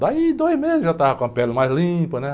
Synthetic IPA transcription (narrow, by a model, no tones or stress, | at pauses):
d̪aid̪ojzmezɪʒat̪avɐkõɐpɛlɐmajzlĩpɐnɛ